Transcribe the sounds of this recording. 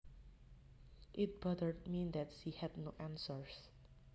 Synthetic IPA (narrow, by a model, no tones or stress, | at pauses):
ʔɪt̪̚bʌdəɹd̚mĩnd̪ætʃihɛd̚noʔæ̃nsəɹs